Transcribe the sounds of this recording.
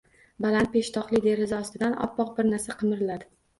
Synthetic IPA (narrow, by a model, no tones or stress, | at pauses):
balant̪̚pe̞ʃt̪ʰɒqlˠɪd̪e̞ɾɪzaɒst̪ɪd̪anɒ̰pːɒq̚bɪɾnaɾsaqʰɨmɪɾɪlad̪ɪ